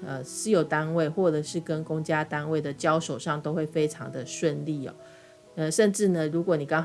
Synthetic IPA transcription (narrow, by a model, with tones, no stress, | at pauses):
ə˧˩sɹ̩˥jo˨˩ʊt̪a˦˥nwe˥˩ɪxwɔ˥˩ʈ͡ʂə˨˩ʂɻ̩˥˩kə˦nkʊ˥ŋt͡ɕja˥t̪a˥nwe˥˩ɪd̪ə˩t͡ɕjɑ˥ʊʂo˨˩ʊʂɑ˥˩ŋt̪o˥ʊxwe˥˩ɪfe˥ɪʈ͡ʂʰɑ̰˧˥ŋd̪ə˧ʂwə˥˧nli˥˩ɔ̰˨˩ | ə˥˧ʂə˥˧nʈ͡ʂɻ̩˥˩nə˨ɻu˧˥kwɔ˨˥˦ni˨˩kɑ˥ŋ